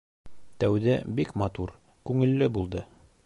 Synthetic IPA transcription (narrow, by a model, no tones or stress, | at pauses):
t̪æwd̪æbikmɑt̪uɾ | kʉŋɘ̆lːɘbulˠd̪ɤ